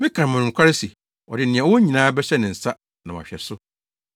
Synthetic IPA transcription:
mɪ̃˦kʰã˨n˨mʊ̃˨nʊ̃˨m˨kʰʷa˦ɾɪ˦si˨ | ɔ̰˨dɪ˨nɪ̃˨ɛ̃˨˦wɔ˦ɲĩ˨nãː˦bɛ˦ɕɛ˦nɪ̃˨n̩˨sa˦ | nã˨wɔ̰˨a̰˨ɕᶣɛ˨sʊ˦

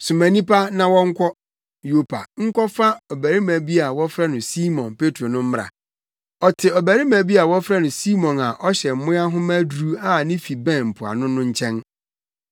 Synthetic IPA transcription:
su˨mæ̃˨nĩ˦pa˦nã˨wɔ̃˦ŋ̩˦kʷʰɔ˦ | jo˦pʰa̰˨ŋ̩˦kʰɔ˦fa˦ɔ˨bæ˨ɾi˦mæ̃˨bi˦a˨wɔ˦fɾa˦nʊ̃˨si˦mɔ̃˨npe˦tʰɾo˨nʊ̃˦m̩˦m˦ɾa̰˨ | ɔ˨tʰɪ˨ɔ˨bæ˨ɾɪ˦mæ̃˨bi˦a˨wɔ˦fɾa˦nʊ̃˨si˦mɔ̃˨na˨ʔɔ˦ɕɛ˨m̩˨mʊ̃˦a˦ɦʊ̃˦mæ˦dɾu˦a˦nɪ̃˦fi˨bɛ̃˦˨nm̩˨pʰʊ˨a̰˨nʊ̃˦nʊ̃˦ɲ̩˦t͡ɕʰɛ̃˦n

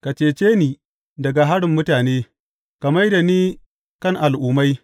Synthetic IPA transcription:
ka˨t͡ʃeː˨t͡ʃeː˦niː˨ | dɐ˨ɡa˨ɦa˦ɽɪ˨mːʊ˦taː˨neː˦ | kɐ˨mɐ˦jda˨niː˦ | kɐ˦˨ŋʔa˨lʔuː˨ma˦j

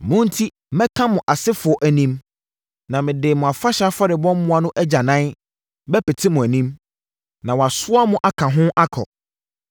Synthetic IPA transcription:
mʊ̃˦n̩˦tʰi˦ | mɛ̃˦kʰã˦mʊ̃˨ʔa˨sɪ˦fʊ˨ɔ˨ʔæ˨nĩ˦m | nã˨mɪ̃˨dɪ˨mʊ̃˨a˨fa˦ɕa˦fa˦ɾɪ˨bɔ̃˦mmʊ̃˦a˦nʊ̃˦ʔæ˦d͡ʑa˨nã˦n | bɛ˦pʰɛ˨tʰɪ˦mʊ̃˨æ˨nĩ˦m | nã˨wɔ˨a˨sʊ˦a˦mʊ̃˨ʔa˦kʰã˨ɦʊ̃˦ʔa˦kʰɔ̰˨

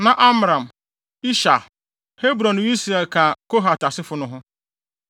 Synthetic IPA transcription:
nã˨ʔa˦m˨ɾã˨m | i˦ʃa˨ | he˦bɾɔ̃˨ni˦sɾɛ˨lkʰã˨kʰo˦ɦa˨ta˨sɪ˦fʊ˦nʊ̃˦ɦʊ̃˦

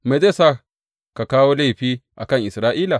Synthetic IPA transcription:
ma˨de˦sa˦ | ka˨kaː˦wo˦la˦˨ɸiː˦ʔa˨kɐ˦˨ŋʔɪ˨sɾaː˦ʔiː˦la˨

